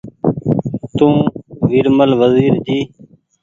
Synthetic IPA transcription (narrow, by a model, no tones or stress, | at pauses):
t̪ũːʋiɾməlʋəziːɾd͡ʒiː